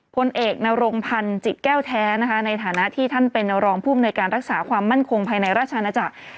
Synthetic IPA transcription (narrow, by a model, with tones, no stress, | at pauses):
pʰo˧nʔeː˨˩k̚na˧ɾoː˧ŋpʰa˧nt͡ɕi˨˩t̪̚kɛː˥˩wt̪ʰɛː˦˥na˦˥kʰa˦˥na˧jt̪ʰaː˨˩˦na˦˥ʔt̪ʰiː˥˩t̪ʰa˥˩npe˧nɾɔː˧ŋpʰuː˥˩bamnuː˧jkaː˧nɾa˦˥k̚saː˩˦kʰwaː˧mːa˥˩nkʰo˧ŋpʰaː˧jna˧jɾaː˥˩t̪̚t͡ɕʰa˧a˧na˧t͡ɕa˨˩k̚